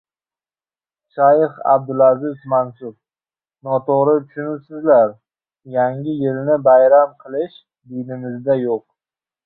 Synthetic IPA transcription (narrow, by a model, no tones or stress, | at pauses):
ʃajχa̰b̚d̪ʊlazɪzmansʊb̚ | nɒt̪ʰoɾɪt̪ʰʊ̥ʃʊnʊlsɪzlaɾ | jaŋʲɪjɪlnɪbajɾamqʰɨlˠɪʃ | d̪ɪnɪmɪzd̪ajoq̚